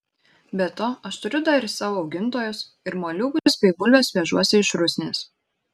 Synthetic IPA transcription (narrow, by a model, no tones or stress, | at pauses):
bʲɛt̪oːʔɐʃt̪ʊɾʲʊd̪ɑɾʲɪsɑːʋoːɒʊɡʲɪnˑt̪oːjos | ɪɾmoːlʲʊɡʊspʲɛɪɡʊlʲʋʲoːsʋʲɛʒuɔsʲɪɪʃɾʊsʲnʲeːs